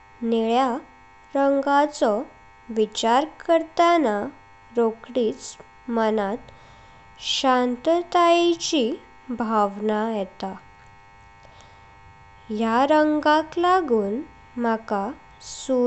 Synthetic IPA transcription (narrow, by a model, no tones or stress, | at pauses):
neɭja | ɾəŋɡat͡sɔ | ʋit͡ɕaɾkəɾt̪ana | ɾokɽiːt͡s | mənat̪ | ɕant̪ət̪ajit͡ɕi | bʱaʋnajɛt̪a | jaɾəŋɡãk̪laɡuːn | maka | su